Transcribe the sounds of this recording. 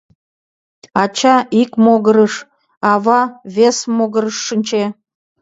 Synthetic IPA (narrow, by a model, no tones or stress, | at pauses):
ɑt͡ɕɑikmoɣəɾəʃ | ɑβɑβʲesmoɣə̆ɾəʃːənʲt͡ɕe